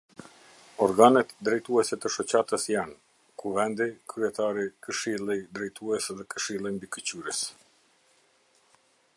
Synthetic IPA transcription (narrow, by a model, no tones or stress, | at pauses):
ɔɾɡanɛt̪d̪ɾɛjt̪uɛsɛt̪əʃɔt͡ɕat̪əsjan | kuvɛnd̪ikɾyɛt̪aɾikəʃilˠid̪ɾɛjt̪uɛsðɛkəʃilˠimbikət͡ɕyɾəs